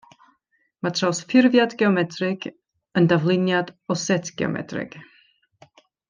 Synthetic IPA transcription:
matʰrasfɪrvjadɡɛɔmɛtʰrɪɡ̥ | əndavlˠɪnjadɔsɛtʰɡ̥ɛ̰ɔ̰mɛ̰drɪ̰ɡ̥

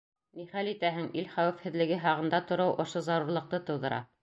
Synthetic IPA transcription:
niχælit̪æɦɘŋilχæwɘ̆fhɘ̆ðlɘ̆ɡɘɦɑʁɤ̆nd̪ɑt̪ŏɾɤwʔŏʃozɑɾuɾlˠɤ̆q̚t̪ɤt̪ɤ̆wðɤ̆ɾʔɑ̰

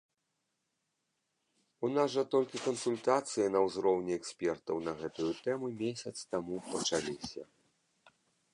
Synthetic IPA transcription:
unazʐɐt̪ɔlʲkʲikɐnsulʲt̪at̪sɨjɐnɐwzɾɔwnʲiɛksʲpʲɛrt̪ɐwnɐɣɛt̪ujut̪ɛmumʲesʲɐt̪st̪amupɐt͡ʂalʲisʲɐ̰

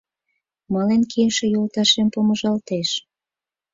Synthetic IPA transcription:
mɑlenkʰiʃĕjolt̪ɑʃempomə̆ʒɑlt̪eʃ

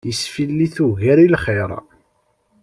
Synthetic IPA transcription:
əsfilːiθuɣæɾilχeɾˤ

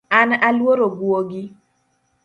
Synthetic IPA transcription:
analwoɾoɡwoɡi

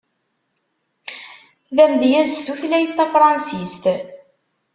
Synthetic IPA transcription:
ðæmðjæzst̪uθlæjt̪ːæfɾˤɑnsist̪

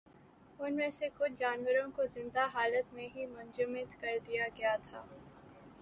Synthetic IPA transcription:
ʊnmẽsekʊt͡ʃʰd͡ʒaːnwəɾõkozɪ̃nd̪aɦaːlət̪mẽɦimʊ̃nd͡ʒʊmɪt̪kɐɾd̪ijaɡɐjat̪ʰaː

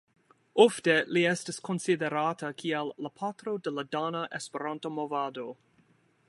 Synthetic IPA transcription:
ofteliɛstisko̞nsideɾatɐkʰialːapʰatɾo̞deladanaʔespeɾantomovado

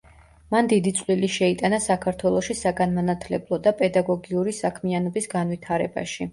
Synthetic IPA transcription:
mand̪id̪it̪sʼliliʃɛit̪ʼanasakʰaɾt̪ʰwɛlˠɔʃisaɡanmanat̪ʰlɛblˠɔd̪apʼɛd̪aɡɔɡiuɾisakʰmianɔbisɡanvit̪ʰaɾɛba̰ʃi

